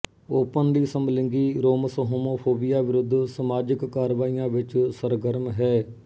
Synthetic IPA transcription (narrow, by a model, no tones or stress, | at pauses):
oːpənliːsəmlɪ̃ŋɡiːɾoːməsoɦoːmoːpʰoːbɪjaːʋɪɾʊd̪ʱːsəmaːd͡ʒɪkːaːɾʋaːijãːʋɪt͡ʃsəɾɡəɾmɦɛː